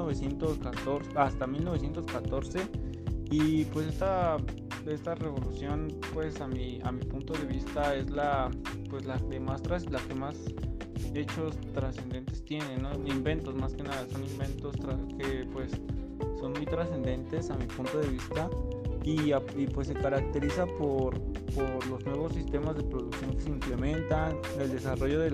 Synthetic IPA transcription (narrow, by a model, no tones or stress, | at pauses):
oβesje̞nt̪oskat̪oɾsast̪amilnoe̞sje̞nt̪oskat̪o̞ɾse̞ | ipwe̞se̞st̪a | e̞st̪are̞βo̞lusjo̞npwe̞samia̰mipunt̪o̞ðe̞βist̪ae̞zlapwe̞slaemast̪ɾaslake̞mas | e̞t͡ʃo̞st̪ɾase̞nd̪e̞nt̪e̞st̪je̞nenːoimbe̞nt̪o̞smaske̞naðaso̞nĩmbe̞nt̪o̞st̪ɾakepwe̞sː | o̞nmujt̪ɾase̞nd̪e̞nt̪e̞samipunt̪o̞ðe̞β̞ist̪aiaipwe̞s̬ːe̞kaɾak̚t̪e̞ɾisapoɾpoɾlo̞znwe̞βo̞sːist̪e̞mazðe̞pɾoðuksjo̞ŋke̞̥seimple̞mẽ̞nt̪an | e̞ld̪e̞saro̞ʝo̞ðe